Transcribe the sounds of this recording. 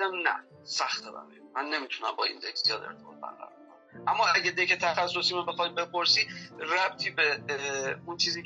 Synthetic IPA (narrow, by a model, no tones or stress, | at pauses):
æmnæ̰ | sæxt̪ɒɾæ̰mḛmænːe̞mit̪ʰunæmbɒːḭːnd̪ekʰz̥ijɒːd̪ḛɾt̪ʰebɒ̰ːt̪̚ʰbæ̰nɢæ̰ɾɒɾbkʰon | ʔæmːɒːæɟæd̪ekʰet̪ʰæxæsːo̞siːmobexɒjbe̞pʰoɾsiːræb̚t̪ʰiːbe | unt͡ʃʰiːziː